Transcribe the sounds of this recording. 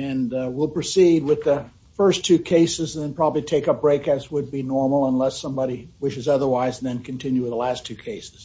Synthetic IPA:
ɨ̃nwilˠpɹ̥ɨsid̚wɪðɨ | fɜ˞stʰʉkʰeɪsɨz̃n̩ðɨ̃npʰɹ̥ɑbəblitʰeɪkʌp̚b̥ɹeɪkɨzwəd̚binɔɹml̩ˠə̃nlɛsʌ̃mbɑɾiwɪʃɨzʌðə˞waɪznðɨ̃nkʰɨ̃n̩tʰɪ̃njʉɨðəlæstʰʉkʰeɪsɨz̥

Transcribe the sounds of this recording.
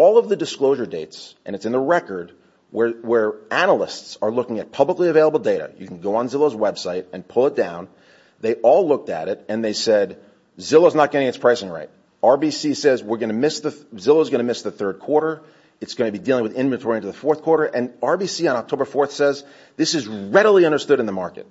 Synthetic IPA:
ɔlˠʌvðɨdɨskloʊʒə˞deɪtsʔɨ̃nɨtsɨ̃nðəɹɛkə˞d̚ | wə˞wə˞ænl̩ˠɪstsə˞lʊkɪ̃ŋɨt̚pʰʌbləkliɨveɪlˠəbl̩ˠdeɪɾɨ̰jɨkʰn̩ɡoʊə̃nzɪlˠoʊzwɛb̥saɪɾɨ̃npʰʊlˠət̚d̥ã̰ʊ̃n | ðeɪʔɔlˠlʊk̚tɨ̰ɾɪɾɨ̃nðeɪsɛd | zɪlˠoʊznət̚ɡ̥ʌ̃ɾɪ̃ŋɨtspʰɹ̥aɪsɪ̃ŋɹa̰ɪt̚ | ɑɹbisisɛzwɪɹɡʌnɨmɪsðɨzɪlˠoʊzɡʌñɨmɪsðɨθɜ˞d̚kʰw̥ɔɹɾə˞ | ɨtsɡ̥ʌ̃ñɨbidilˠɪ̃ŋwɨðɪ̃nvɨ̃ntʰɔɹĩɨ̃nɨðəfɔɹθkʰw̥ɔɹɾə˞ʔɨ̃nɑɹbisiə̃ñɑk̚tʰoʊbə˞fɔɹθsɛz | ðɪsɨzɹɛɾl̩ˠiʌ̃ndə˞stʊɾnðəmɑɹkɨ̰t̚

